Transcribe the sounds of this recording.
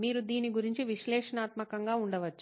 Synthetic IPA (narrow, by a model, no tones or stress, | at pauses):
miːɾud̪iːniɡuɾiɲt͡ʃiʋiʃlɛːʂɐnaːt̪mɐkɐŋɡaːuɳɖɐʋɐt͡ʃːu̥